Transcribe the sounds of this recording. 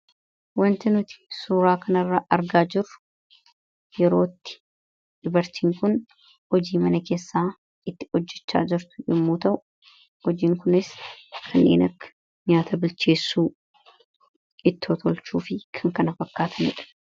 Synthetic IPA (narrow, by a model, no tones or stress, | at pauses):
wɐnt̪ɪnʊt̪ɪ̥suːɾaːkɐnɐrːaʔɐɾɡaːd͡ʒɪrʊ̥ | jɛɾo̞ːt̪ːɪ̥ | ᶑɪbɐɾt̪iːŋkʊn | hɔd͡ʒiːmɐnɐke̞ːsːaː | ɪt̪ːɪ̥ɔd͡ʒːɛt͡ʃːa̰ːd͡ʒɪɾt̪ʊ̥ʔɪmːuːt̪ɐʔʊ | hɔd͡ʒiːŋkʊnɪskʰɐnːḛːnɐkːɐ̥ | ɲaːt̪ʰɐbɪlt͡ʃe̞ːsːuː | ɪt̪ːɔt̪ʰɔlt͡ʃuːfɪkʰɐŋkɐnɐfɐkːaːt̪ʰɐnɪ̰ᶑɐ̥